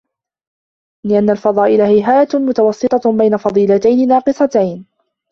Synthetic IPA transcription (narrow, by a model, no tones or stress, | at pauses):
lɪʔanːalfɑðˤɑːʔɪlahɪɦaːat̪mʊt̪awɑsːɨt̪ˤɑbajnafɑðˤiːlat̪ajnɪnɑːqɨsˤɑt̪ajn